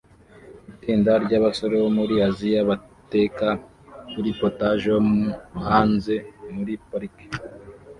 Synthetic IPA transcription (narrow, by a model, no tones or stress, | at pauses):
itiːndaɾɟaβaso̞ɾe̞βomuɾiaziaβate̞ka | kuɾipotaʒomhaːnze̞muɾipaɾike̥